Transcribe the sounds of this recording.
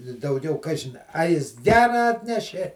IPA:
ɪ dɐʊˈɡʲɛʊ ˈkɑːʒʲɪn ɐ ˈjɪs ˈɡʲæːrɐ ˈɑːtʲnʲɛʃʲeː

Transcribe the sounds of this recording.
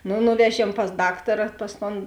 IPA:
ˈnʊ ˈnʊʋʲɛˌʒʲiɛm pɐs ˈdɑːktɐrɐ ˈpɐs ˌtoːn

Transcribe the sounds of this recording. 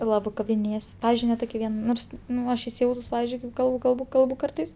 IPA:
ˈlˠɑːbɜ kɐbʲɪˈnʲeːjɛs ˈpɑːʋʲɪzʲd͡ʒʲʊɪ nʲɛ ˈtoːkʲɪ ˈʋʲiɛn ˈnoːrs ˈnʊ ˈɐʃ ɪsʲɪˈjɛʊtʊs ˈpɑːʋʲɪzʲd͡ʒʲʊɪ kɐɪp ˈkɐlˠbʊ ˈkɐlˠbʊ ˈkɐlˠbʊ ˈkɐrtɐɪs

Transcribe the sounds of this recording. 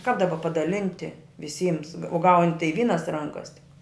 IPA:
kɐp dɐˈbɐ pɐdɐˈlʲɪnʲtʲɪ ʋʲɪˈsʲiːms oː ɡɐʊnʲ tɐɪ ˈʋʲiːnɐs ˈrɐŋkɐs tʲɪk

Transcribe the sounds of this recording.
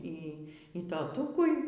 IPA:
ˈiː iː toːˈtʊkʊɪ

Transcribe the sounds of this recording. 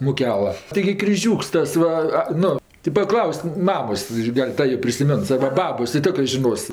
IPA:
mʊˈkʲæːlˠɐ tʲɪˈɡʲɪ krʲɪˈʒʲuːks ˈtɐs ˈʋɐ ˈnʊ tʲɪ pɐˈklˠɐʊsk ˈmɑːmoːs ˈɡɐlʲ ˈtɐ joː pʲrʲɪsʲɪˈmʲɛns ɐrbɐ ˈbɑːboːs jɪ ˈtʲoːkrɜ ʒʲɪˈnoːs

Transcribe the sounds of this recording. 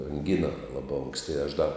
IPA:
ɐŋʲˈɡʲɪnɐ ˈlˠɑːbɐ ˈoːŋksʲtʲɪ ɐʃ dɐ

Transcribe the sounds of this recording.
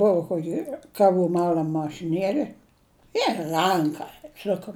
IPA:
ˈbʊʋoː ˈkoːkʲɪ kɐˈʋuː ˈmɑːlʲɐm mɐʃʲɪˈnʲiɛlʲɪ ɪr ˈrɐŋkɐ ˈsʊkɐm

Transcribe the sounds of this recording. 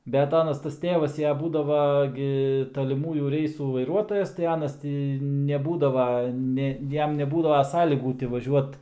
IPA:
bʲɛt ˈɑːnɐs tɐs ˈtʲeːʋɐs jɛ ˈbuːdɐʋɐ ˈɡʲɪ tɐlʲɪˈmuːjuː ˈrʲɛɪsuː ʋɐɪˈruɔtoːjɛs tɐɪ ˈɑːnɐs ˈtʲiː nʲɛˈbuːdɐʋɐ ˈnʲɛ ˈjɛm nʲɛˈbuːdɐʋɐ ˈsɑːlʲiːɡuː tʲɪ ʋɐˈʒʲuɔt

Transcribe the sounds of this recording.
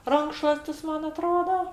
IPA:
ˈrɐŋkʃlˠuɔsʲtʲɪs ˈmɐn ɐˈtroːdɐ

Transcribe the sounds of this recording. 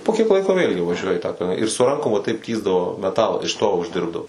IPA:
poː kʲiɛk ˈlˠɐɪkoː ʋʲeːlʲɡʲɪ ʋɐˈʒʲuɔjɛ ɪ tɑː ɪr sʊ ˈrɐŋkoːm ʋɐ tɐɪp ˈtʲiːzdɐʋoː mʲɛˈtɑːlˠɑː ɪʃ toː ʊʒʲˈdʲɪrbdɐʋoː

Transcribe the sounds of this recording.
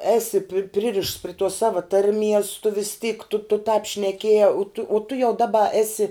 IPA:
ˈæːsʲɪ pʲɪ ˈpʲrʲɪrʲɪʃts pʲrʲɪ tuɔs ˈsɑːʋɐ ˈtɐrʲˌmʲiɛs tʊ ʋʲɪs tʲiːk tʊ tʊ tɑːp ʃʲnʲɛˈkʲiɛjæː tʊ uɔ tʊ jɛʊ ˈdɑːbɐ ˈæːsʲɪ

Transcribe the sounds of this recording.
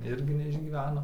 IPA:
ˈɪrʲɡʲɪ nʲɛɪʒʲɡʲiːˈʋʲæːnoː

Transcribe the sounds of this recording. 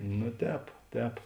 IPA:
nʊ ˈtʲɛːp ˈtʲɛːp

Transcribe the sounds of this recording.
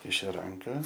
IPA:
ˈkʲɪʃʲʊ ˈrɐŋkɐ

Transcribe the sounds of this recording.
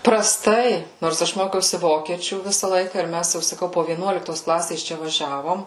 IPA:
prɐˈstɐɪ noːrs ˈɐʃ ˈmoːkʲɛʊsʲɪ ˈʋoːkʲiɛt͡ʃʲuː ˈʋʲɪsɐ ˈlˠɐɪkɐ ɪr ˈmʲæs jɛʊ sɐˈkɐʊ poː ʋʲiɛˈnuɔlʲɪktoːs ˈklˠɑːsʲeːs ˈt͡ʃʲɛ ʋɐˈʒʲæːʋoːm

